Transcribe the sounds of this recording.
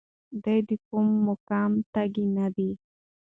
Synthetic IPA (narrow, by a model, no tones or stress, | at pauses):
d̪ajd̪ikumːʊkɑmt̪aɡinad̪i